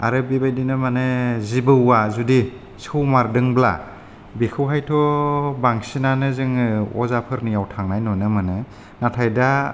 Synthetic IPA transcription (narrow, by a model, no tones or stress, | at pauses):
a̰ɾɯbibajdinɯmanɯzibɯːazudi | sɯwmaɾdɯŋbla | bikʰɯwɦajtʰɔbaŋsinanɯzɯŋɯɔ̰zapʰɯɾnijawtʰaŋnajnɔnɯmɯnɯ | natʰajda